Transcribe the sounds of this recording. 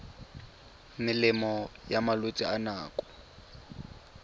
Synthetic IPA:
mɪlɪmɔjamalotʼianaːkʼɔ̥

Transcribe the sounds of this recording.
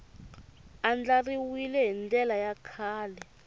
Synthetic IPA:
and͡ɮariwilɛɦind͡ɮɛlajakʰaːlɛ

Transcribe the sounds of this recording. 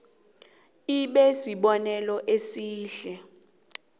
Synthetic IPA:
iɓɛsiɓɔnɛlɔʔesiːɬɛ

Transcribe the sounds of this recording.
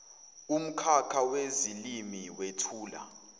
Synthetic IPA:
um̩kʰakʰawezilimiwetʰuːla̰

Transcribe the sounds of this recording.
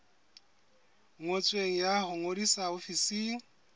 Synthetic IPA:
ŋot͡sʼweŋ̩jahʊŋodisaofisiːŋ̩

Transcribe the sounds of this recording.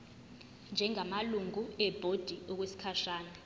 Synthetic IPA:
nd͡ʒʱɛŋamaluŋuɛb̥ʱod̥ʱiɔk̬wesi̥kʰaʃaːnɛ

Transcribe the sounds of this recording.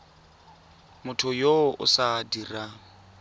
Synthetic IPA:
mʊtʰʊjoʊ̰sadira

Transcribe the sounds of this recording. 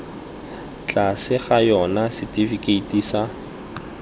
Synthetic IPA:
t͡ɬʼasɪχajɔnasɪtifikʼeitiːsa

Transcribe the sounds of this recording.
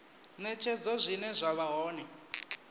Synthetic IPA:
nɛt͡ʃʰɛd͡zɔzʷinɛzʷaβaɦɔːnɛ

